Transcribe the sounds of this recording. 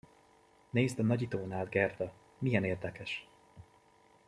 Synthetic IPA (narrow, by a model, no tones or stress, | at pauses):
neːzd̪ɒnɒɟit̪oːnaːd̪ɡɛrd̪ɒ | mijɛneːrd̪ɛkɛʃ